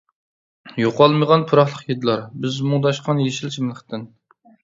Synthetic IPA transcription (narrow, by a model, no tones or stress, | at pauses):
joqɑlˠməʁɑnpʰuɾɑχlˠəqjed̪ɨlˠɑɾbɪzmʊŋd̪ɑʃqʰɑnjeʃilt͡ʃʰimlˠəqt̪ɪn